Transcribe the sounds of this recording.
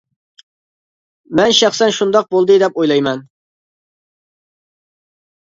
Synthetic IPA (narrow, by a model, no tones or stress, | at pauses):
mɛnʃæχsɛnʃund̪ɑq̚bolˠd̪ɨd̪ɛpojlˠɑjmɛn